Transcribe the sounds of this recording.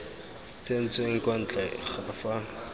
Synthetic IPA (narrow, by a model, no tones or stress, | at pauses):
t͡sen̩t͡sʼweŋ̩kʼwan̩t͡ɬʼɛχafa